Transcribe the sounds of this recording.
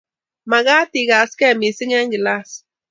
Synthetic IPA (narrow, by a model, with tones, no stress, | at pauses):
ma˨ɣa˦t̪i˨ɣa˨skɛ˦˨mi˨si˦ŋɛ˦ŋɡi˨la˦s